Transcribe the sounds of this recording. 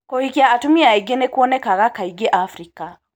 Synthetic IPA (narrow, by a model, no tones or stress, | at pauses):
kohikiaːtumiaiɡenekuɔnɛkaɣakaiɡeʔafɾika